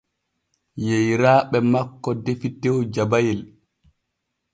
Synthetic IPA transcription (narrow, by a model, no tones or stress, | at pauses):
jejɾaːɓɛmakːɔdefitewd͡ʒabajɛl